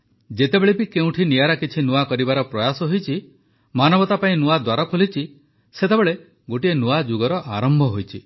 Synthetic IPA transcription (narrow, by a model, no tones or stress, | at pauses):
d͡ʒet̪ebeɭepikeũʈʰinijaɾakit͡ʃʰinuakɔɾibaɾɔpɾɔjasɔɦojt͡ʃʰi | manɔbɔt̪apaĩnuad̪waɾɔkʰolit͡ʃʰi | set̪ebeɭe | ɡoʈienuad͡ʒuɡɔɾɔʔaɾɔmbʱɔɦojt͡ʃʰi